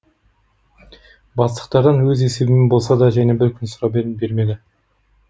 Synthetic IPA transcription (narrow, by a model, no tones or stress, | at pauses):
bɑslˠəq̚t̪ɑɾd̪ɑnwɵze̞se̞bɪmɪbo̞lˠsɑd̪ɑʒæne̞bɪɾkʲʰʏnsʊɾɑbe̞ɾɪnbe̞ɾme̞d̪ɪ